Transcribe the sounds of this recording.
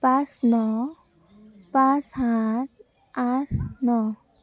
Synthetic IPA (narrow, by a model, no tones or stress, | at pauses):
pãsnɔ | pãsãt̪̚ʰ | asnɔ